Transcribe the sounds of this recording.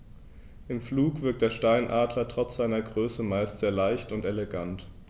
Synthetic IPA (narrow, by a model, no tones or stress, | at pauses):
ʔɪmfluːkv̥ɪɐk̚td̥eːɐʃtaɪnʔaːdlɐtʁ̥ɔt͡sz̥aɪnɐɡʁøːsəmaɪstz̥eːɐlaɪçtʊnteleɡant